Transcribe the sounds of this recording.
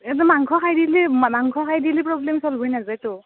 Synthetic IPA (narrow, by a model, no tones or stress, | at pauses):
et̬ɔmaŋkʰɔkʰajdilimmaŋkʰɔkʰajdiliproblemsɔlbʱɔjnazajto